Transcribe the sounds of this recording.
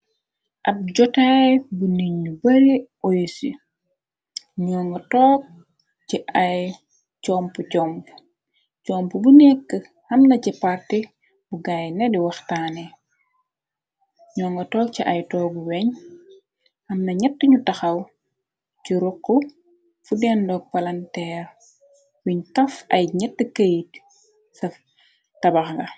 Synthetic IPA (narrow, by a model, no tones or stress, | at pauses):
ʔɐb̚ɟɔtajbuniɲːubɐɾiʔɔjsi | ɲɔːŋɡɐtɔːk̚ | t͡ʃiʔɐj | cɔmpucɔmp | cɔmpəbunɛkːə | hɐmnɐcipɐrti | buɡajnɛdiwɐxtaːni | ɲɔːŋɡɐtɔːk̚ciʔɐjtɔːɡuwɛɲ | ɐmnɐɲɛtːəɲutɐxɐw | ciɾɔkːu | fudɛndɔːk̚pɐlɐntɛːr | wiɲtɐfɐjɲɛtːəkɐjit | sɐf | tɐbɐxŋɡɐ